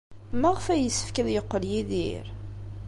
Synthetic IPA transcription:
mæʁfæjəsːə̥fkæðjəqːəljiðḭɾ

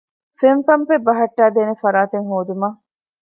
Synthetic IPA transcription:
semfɐmpebɐɦɐʈːæːd̪eːnefɐɾaːt̪eŋɦoːd̪umɐː

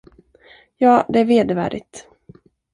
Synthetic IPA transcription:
jɑːd̪ɛæɾveːd̪əvæ̰ːɖɪ̰t̪

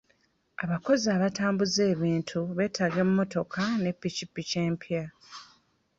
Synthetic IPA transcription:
aβako̞zaːβataːmbuze̞ːβiːntʰuβe̞ːtʰaɡemumːo̞to̞kʰane̞pːicipːice̞ːmpʰja

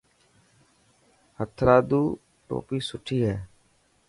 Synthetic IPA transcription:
hət̪ʰɾaːd̪uː | ʈo̰ːpiːsʊʈʰːiːɦɛː

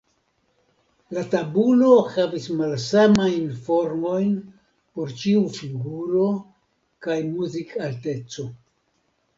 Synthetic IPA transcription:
latabulohavismalsamajnfo̞ɾmo̞jn | po̞ɾt͡ʃiufiɡuɾo̞ | kajmuzikʰalte̞t͡so̞

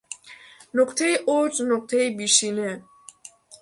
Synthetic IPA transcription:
nɔkʰt̪ʰɛiʔɔɾt͡sʼnɔk̚ʰʼt̪ʰɛibiʃinɛ

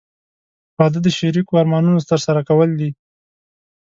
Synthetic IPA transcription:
wɑd̪əd̪əʃaɾikoɑɾmɑnunot̪əɾsaɾakawəld̪i

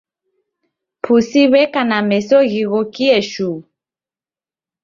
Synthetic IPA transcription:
pʰusiβɛkanamɛsɔɣiɣɔkiɛʃu

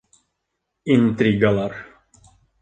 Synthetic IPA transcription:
int̪ɾiɡalar

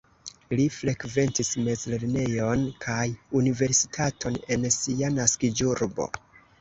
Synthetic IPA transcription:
lifɾe̞kve̞ntisme̞zle̞ɾne̞jo̞nkʰajunive̞ɾsitʰatʰo̞ne̞nsianaskid͡ʒuɾbo̞̰

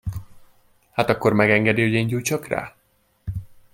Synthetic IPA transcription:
haːt̪ɒkːo̞rmɛɡɛŋɡɛd̪iho̞ɟeːɲɟujt͡ʃɒkra̰ː

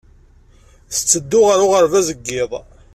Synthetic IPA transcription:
θə̥t͡sːəd̪ːʊʁəɾʊʁəɾvæzəɡːɪðˤ

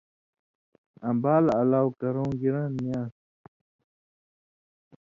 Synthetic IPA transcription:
ɐ̃mbaːlɐlaːwkɐɾõːɡiɾãnmijaːs

